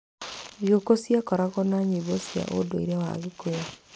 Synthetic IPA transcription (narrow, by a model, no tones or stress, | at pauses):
jokosjakɔɾaɣɔnaɲiβosja̰ʔo̰doiɾɛwa̰ɣekoja